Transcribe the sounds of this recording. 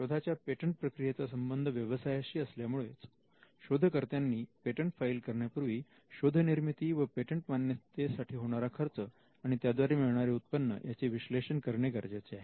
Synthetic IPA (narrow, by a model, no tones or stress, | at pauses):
ɕod̪ʱat͡ɕjapeʈəɳʈ̚pɾəkɾijet͡sasəmbənd̪ʱəʋjəʋəsajaɕiːəsljamuɭet͡s | ɕod̪ʱəkəɾt̪janːiːpeʈəɳʈfailkəɾɳjapuɾʋiː | ɕod̪ʱəniɾmit̪iʋəpeʈəɳʈmanjət̪esaʈʰiːɦoɽ̃aɾakʰəɾt͡sə | aɽ̃it̪jad̪ʋaɾemiɭɳaɾeut̪̚pənːə̰jʔat͡seʋiɕleɕənkəɾɳeɡəɾd͡ʑat͡seaɦe